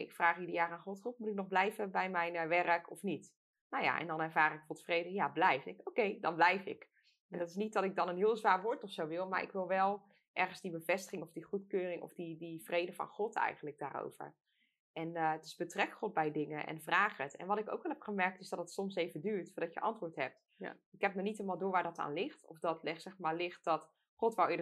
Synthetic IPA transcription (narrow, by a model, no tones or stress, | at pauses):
ʔɪkfraːχidəjaːraːnχɔtχɔt̚mutɪk̚nɔχblɛjvəbɛjmɛjnʋɛrəkɔfnit | nowja̰ʔɛ̰ndɑnɛɹvaːrɪkfɔtfrejdəjablɛjfɪkowkejdɑnblɛjfɪ̰k | ɛndɑtɪsnit̚dɑtɪk̚dɑnənɦɪːlˠzʋaːɹʋoːɹtɔfsowʋɪlˠma̰ɹʔɪ̰kʋɪlˠʋɛlˠ | ʔɛɹχən̩zdibəvɛstə̥χɪŋɔvdiχutkøːrɪŋʔɔ̰fdidiv̥rejdəvɑ̰nχɔtʰɛ̰jχəntlək̚da̰ːɾo̰wv̥ə̰ɹ | ʔɛnətɪ̥zbətrɛkχɔt̚bɛjdɪŋəʔɛ̰nvraːχətɛ̰nʋɑtɪko̰wkʋɛlˠɦɛpχəmɛɹk̚tɪsdɑtdətsɔmsejvədyːɹtfʊːɹdɑtjə̰ʔɑntʋʊːɹtɦɛp̚t | ɪkɦɛp̚nənitelmaːlˠdʊːɹʋaːɹdɑta̰ːnlɪχtɔfdɑtlɪχtsɛχmaːɹlɪχt̚dɑt | χɔtʋɛlˠɪə